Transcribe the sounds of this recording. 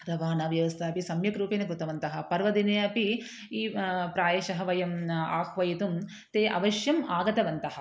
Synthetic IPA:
ɾɐʋaːnɐːʋjɐʋɐst̪ʰɐɐpisɐmjɐkɾuːpeːnɐkɾut̪ɐʋɐnt̪ɐɦɐ̆pɐɾʋɐd̪ineːɐpi | iːpɾaːjɐʃɐɦɐʋɐjɐma̰ːxʋɐjit̪um | t̪eːʔɐ̰ʋɐʃjɐmaːɡɐt̪ɐʋɐnt̪ɐɦɐ̆

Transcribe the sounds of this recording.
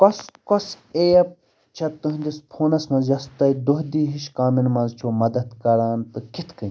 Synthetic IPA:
koskos | eːɐp̚ | t͡ʃʰɐt̪ːɨɦnʲd̪ʲispʰoːnɐsmɐ̃nzjɐst̪ɐjd̪uɦd̪iːɦiʃkaːminmɐ̃nzt͡ʃʰoːmɐd̪ɐd̪kɐɾaːnt̪ɨkit̪ʰkɨ̃

